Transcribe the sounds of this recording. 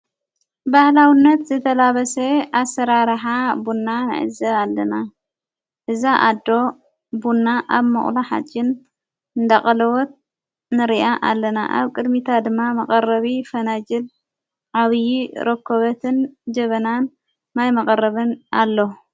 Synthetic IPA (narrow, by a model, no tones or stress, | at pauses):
bahlawinːɐt̪zɨt̪ʰɐlaβɐseasːɐɾaɾħabunːanɨ̰ʕɨ̰zɐalːɐna | ʔɨzaʔad̪ːo̞ | bunːaʔaβmɨ̰χʼlaħa̰t͡ʃʼːɪn | ɨnd̪aχʼɐlɐwɔt̪̚ | nɨɾiʔaʔalːɐna̰ʔa̰βkʼɨd̪mit̪ʰad̪ɨmːamɐkʼɐrɐβifɐnad͡ʒɨl | ʕaβjḭɾʔɐkːoβɐt̪ʰɨnd͡ʒɐβɐnan | majmɐkʼɐrɐβɨnalːo